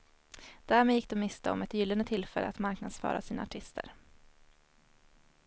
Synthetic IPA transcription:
d̪̥æɾmeːjɪkːd̪ɛmːɪst̪ʰaɔ̰mɛt̪jʏlːənd̪ət̪ʰɪlfɛlːəat̪maɾknad̪sfɑ̰ːɾʔa̰siːnaaʈʰɪst̪ə̰ɾ

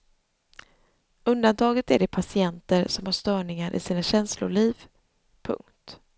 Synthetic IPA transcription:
ɵnd̪ant̪ʰɑːɡət̪æɖɛpʰasɪɛnt̪əɾsɔmhaʂt̪œːɳɪŋaɾʔɪ̰siːnaɕɛnslʊ̰ɭiːv | pʰɵ̰ŋkt̪

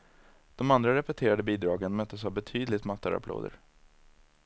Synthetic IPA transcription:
d̪̥ɔmand̪ɾaɾɛpɛt̪ʰeːɾad̪əbiːd̪ɾɑːɡənmœt̪ːəsavbɛt̪ʰyːd̪lɪt̪mat̪ːa̰ɾa̰pʰlo̰ːd̪ə̰ɾ

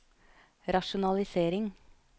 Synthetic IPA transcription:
ɾɑʃʊnɑlɪseːɾɪŋ

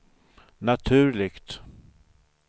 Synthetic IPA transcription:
nat̪ʰʉ̟ːɭɪkt̪

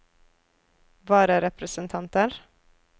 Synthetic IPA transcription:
ʋɑːɾəɾɛpʰɾəsənt̪ʰɑnt̪əɾ

